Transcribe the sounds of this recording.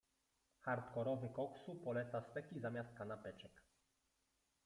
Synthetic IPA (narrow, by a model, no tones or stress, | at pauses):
xaɾt̪kɔɾɔvɘkɔksupɔlɛt̪sast̪ɛkʲizamʲjast̪̚kanapɛt͡ʂɛk